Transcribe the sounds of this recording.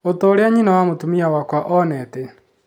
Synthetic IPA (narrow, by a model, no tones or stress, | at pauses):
otɔoɾeaɲinawamotumiawakwaʔɔnɛtɛ